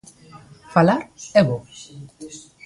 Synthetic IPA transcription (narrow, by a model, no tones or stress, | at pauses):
falaɾeβo